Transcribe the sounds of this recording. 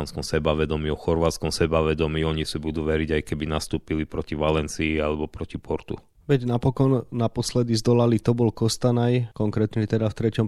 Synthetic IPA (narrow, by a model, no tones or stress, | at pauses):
anskɔmsɛbaʋɛd̪ɔmiɔxɔɾʋaːt̪t͡skɔmsɛbaʋɛd̪ɔmiːɔɲisibud̪uːʋɛɾiɟajkɛbinast̪uːpilipɾɔciʋalɛnt͡siialɛbɔpɾɔcipʰɔɾt̪ṵ | ʋɛɟnapɔkɔnːapɔslɛd̪izd̪ɔlalit̪ɔbɔlkɔst̪anajkɔŋkɾɛt̪ɲɛt̪ɛd̪aft̪ɾɛcɔm